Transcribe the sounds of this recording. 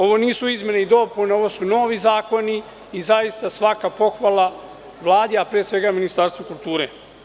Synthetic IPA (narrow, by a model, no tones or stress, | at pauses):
o̞ʋo̞niːsuizme̞neid̪o̞puneo̞ʋo̞suno̞ːʋizaːko̞niː | zajist̪asʋakapo̞xʋalˠa | ʋlˠaːd̪iapɾiesʋe̞ɡaminist̪aɾst̪ʋokulˠt̪uːɾe